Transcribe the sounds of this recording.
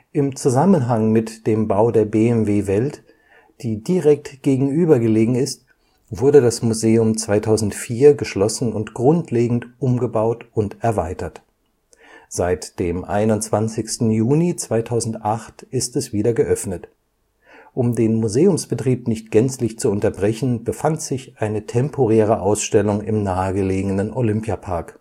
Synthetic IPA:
ʔɪmt͡suzamənɦaŋmɪtd̥eːmbaʊdeːɐbeːɛmveːvɛlt | d̥iːdiʁɛk̚tɡ̥eːɡŋ̩ʔyːbɐɡəleːɡŋ̩ɪst̚ | v̥ʊɐɾədasmuzeːʊmt͡sv̥aɪtʰaʊzn̩tfiːɐɡəʃlɔsn̩ʊntɡ̥ʁʊntʰleːɡŋ̩tʔʊmɡəbaʊtʊntɛɐvaɪtɐt | z̥aɪtd̥eːmʔa̰ɪnʊnt͡sv̥ant͡sɪçstn̩juːnit͡sv̥aɪtʰaʊzn̩tʔaχtʔɪstɛsv̥iːdɐɡəʔœfnət | ʔʊmdeːnmuzeːʊmsb̥ətʁ̥iːpnɪçt̚ɡ̥ɛnt͡slɪçt͡suʊntɐbʁɛçn̩bəfantz̥ɪçʔaɪnətʰɛmpʰoʁɛːʁ̞əʔaʊsʃtɛlʊŋɪ̰mnaːəɡəleːɡənənʔolʏmpjapʰaɐk

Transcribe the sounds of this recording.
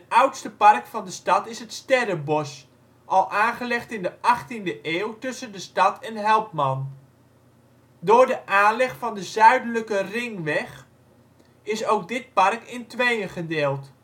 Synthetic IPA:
ətʌwtstəpɑrkfɑndəstɑtɪsɦətstɛrəbɔs | ʔɑlˠʔaːnχəlɛχtɪndəʔɑχtindəʔeːwtɵsəndəstɑtʰɛnɦɛlˠpmɑn | dʊːrdəʔaːnlɪχfɑndəzœɥdələkərɪŋʋɛχ | ɪsowk̚dɪt̚pɑrkɪntʋejəχədeːlˠt

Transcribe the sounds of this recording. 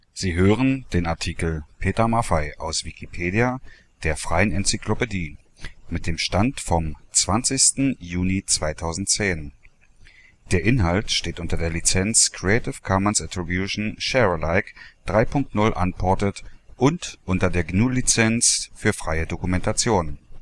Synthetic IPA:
z̥iːɦøːʁənd̥eːnaɐtʰiːkl̩pʰeːtɐmafaɪʔa̰ʊsv̥ikʰipʰeːdia | d̥eːɐfʁ̥aɪənɛnt͡sikʰlopediː | mɪt̚d̥eːmʃtantfɔmt͡sv̥ant͡sɪçstn̩juːnit͡sv̥aɪtʰaʊzn̩tt͡seːn | d̥eːɐʔɪnhaltʃteːtʔʊntɐdeːɐlit͡sɛnt͡skʁ̥iɛɪtɪfkʰɔmənsatʁibjuʃn̩ʃɛʁəlaɪkd̥ʁaɪpʰʊŋk̚tnʊlʔa̰npʰɔɐtətʔʊntʔʊntɐdeːɐɡnuːlit͡sɛnsfyːɐfʁ̥aɪədokumɛntat͡sjoːnən

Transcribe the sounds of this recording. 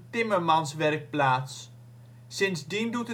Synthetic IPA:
tɪməɹmɑnsʋɛrk̚plaːtsː | ɪnsdindutə

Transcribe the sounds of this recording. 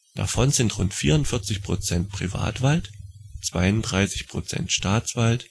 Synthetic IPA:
d̥a̰fɔnzɪntʁʊntfiːɐʊntfɪɐt͡sɪçpʁ̥ot͡sɛnt̚pʁ̥iva̰ːtv̥altt͡sv̥a̰ɪʊntdʁaɪsɪçpʁ̥ot͡sɛ̰ntʃtaːt͡sv̥alt

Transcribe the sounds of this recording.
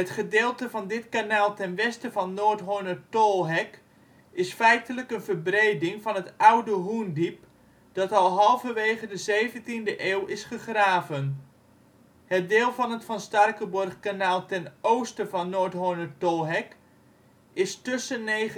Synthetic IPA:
ɦətχədeːlˠtəvɑndɪtkanaːlˠtɛnʋɛstəvɑnːoːɹtɦonətɔlˠɦɛk | ɪsfɛjtələkənvəɹbrejdɪŋvɑnɦətawdəɦundip̚ | d̥ɑtɑlˠɦɑlˠvəʋejχədəzejvəntindəʔeːwɪsχəχraːvən | hət̚deːlˠvɑnɦətfɑnstɑrkəbɔrχkanaːlˠtɛnowstəvɑnːoːɹtɦonətɔlˠɦɛk | ɪstɵsənːej

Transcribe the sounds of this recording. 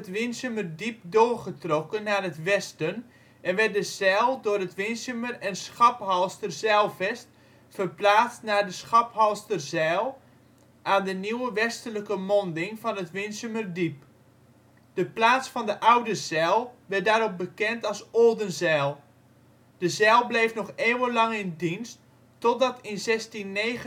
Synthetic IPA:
ətʋɪnsəmərdip̚doːrχətrokənːaːrətʋɛstən | ʔɛnʋɛtdəsɛːlˠdʊːrətʋɪnsəmərɛnsχɑphɔlˠstərzɛːlˠfɛst | fərplaːt͡stnaːdəsχɑphɔlˠstərzɛːlˠ | ʔaːndəniwəʋɛstələkəmɔndɪŋvɑnətʋɪnsəmərdip | d̥əplaːt͡sfɑndəʔawdəzɛːlˠʋɛdaːɾɔp̚bəkɛntɑlˠsoːdənzɛːlˠ | d̥əzɛːlˠblejfnɔχeːwəlɑŋɪndinstː | ɔt̚dɑtɪnzɛstinːeːɣ

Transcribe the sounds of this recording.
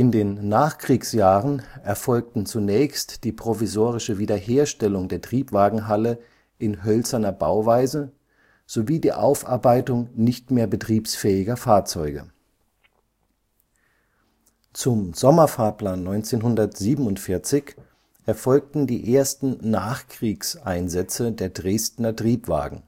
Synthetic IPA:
ʔɪndeːnːaːχkʁ̥iːksjaːʁənʔɛɐfɔlk̚tn̩t͡sunɛːçstd̥iːpʁ̥ovizoːʁɪʃəviːdɐheːɐʃtɛlʊŋdeːɐtʁ̥iːpv̥aːɡŋ̩ɦalə | ʔɪnɦœlt͡sɐnɐbaʊvaɪzə | z̥oviːdiːʔa̰ʊfʔaɐbaɪtʊŋnɪçtmeːɐbətʁ̥iːpsfɛːɪɡɐfaːɐt͡sɔʏɡə̰ | t͡sʊmz̥ɔmɐfaːɐpl̥aːnːɔʏnt͡seːnɦʊndɐtz̥iːbm̩ʊntfɪɐt͡sɪç | ʔɛɐfɔlk̚tn̩diːʔeːɐstn̩naːχkʁ̥iːksʔaɪnzɛt͡sədeːɐdʁeːstnɐtʁ̥iːpv̥a̰ːɡŋ̩

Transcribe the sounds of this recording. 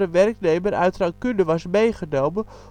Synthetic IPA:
əʋɛrknejməɾœ̰ɥtraŋkʏndəʋɑsmejχənowmə

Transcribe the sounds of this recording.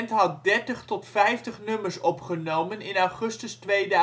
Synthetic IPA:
ntɦɑt̚dɛɹtəχtɔtfɛjftəχnɵməɹsɔpχənowmənɪnawχɵstəstʋejd

